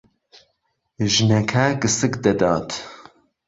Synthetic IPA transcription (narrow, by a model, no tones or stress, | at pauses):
ʒɨnɛkʰɛɡɨsɨkd̪ɐd̪ɑːt̪